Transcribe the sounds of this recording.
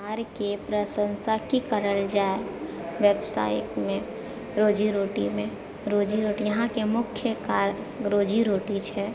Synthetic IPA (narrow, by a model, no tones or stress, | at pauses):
aːɾkepɾəsə̃nsakikəɾəld͡ʒaːe | ʋebsa̰ːɪʈmẽ | ɾoːd͡ʒiɾoːʈimẽ | ɾoːd͡ʒiɾoːʈijəɦãkemʊkʰjəkaɾ | ɾoːd͡ʒiɾoːʈit͡ʃʰɛ